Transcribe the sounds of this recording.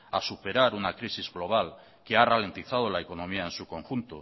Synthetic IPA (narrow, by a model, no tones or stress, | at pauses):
a̰supe̞ɾaɾunakɾisizɣlo̞β̞al | kearale̞nt̪iθað̞o̞lae̞ko̞nõ̞miaensuko̞ŋxunt̪o̰